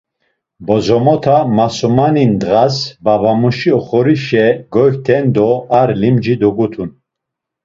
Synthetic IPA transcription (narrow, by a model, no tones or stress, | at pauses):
bɔzɔmɔt̪ʰamasɔmanind̪ʁasbabamuʃiɔχɔɾiʃɛɡɔht̪ʰɛnd̪ɔaɾlimd͡ʒid̪ɔɡut̪ʰun